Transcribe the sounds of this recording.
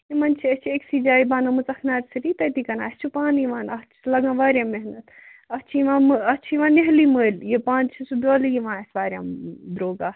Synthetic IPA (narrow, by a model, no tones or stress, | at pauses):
imɐnt͡ʃʰiɐt͡ʃʰieksid͡ʒaːibaːnɐmɨt͡sɐkʰnaːɾsiɾit̪ɐt̪ikɐna̰ːst͡ʃʰupaːniʋãːnɐt͡ʃʰi̥lɐɡãːʋaːɾʲjãːmeɦnɐt̪ʰ | ɐst͡ʃʰiiʋãːmɨɐt͡ʃʰiʋãːneɦliməːljepãːnt͡ʃʰisubʲoːlijiʋãːsʋaːɾʲja̰ːmd̪ɾoːɡaː